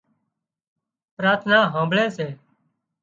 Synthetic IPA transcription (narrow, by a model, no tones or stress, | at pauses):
pɾaːt̪ʰnaːɦãːmbʱɭeːseː